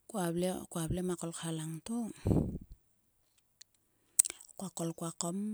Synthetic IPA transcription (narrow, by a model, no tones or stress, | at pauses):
kuablekuablemakolkʰalaŋto | kwakolkwakom